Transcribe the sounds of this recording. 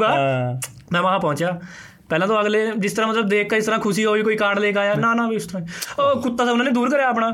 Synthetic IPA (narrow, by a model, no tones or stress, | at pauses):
ɡaː | mɛ̃ːʋaɦãːpɔ̃ːɲt͡ʃjaː | pɛːlãːt̪õːəɡleːd͡ʒɪst̪əɾãːmət̪ləbd̪eːkʰːaːɪst̪ɾãːkʰʊsiːɦoːiːkoːiːkaːɽleːkaːjaːnãːnãːbiʊst̪əɾãːkʊt̪ːaːsaʊnãːneːd̪uːɾkəɾjaːp̬ɽãː